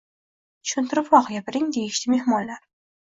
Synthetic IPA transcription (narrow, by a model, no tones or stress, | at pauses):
t̪ʰʊ̥ʃʊnt̪ʰɪɾɪpvɒqʰɨjabɪɾɪŋd̪e̞jɪʃlɪme̞hmɒnlaɾ